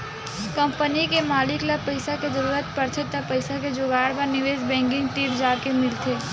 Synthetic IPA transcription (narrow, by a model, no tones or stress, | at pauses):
kə̃mpənikemaːlɪklapəɪsaked͡ʒəɾuːɾət̪pəɾt̪ʰet̪apəɪsaked͡ʒoɡaːɽbəɾnɪʋeːsbɛ̃ːŋkɪ̃ŋɡt̪iːɾd͡ʒaːɽkemɪlt̪ʰeː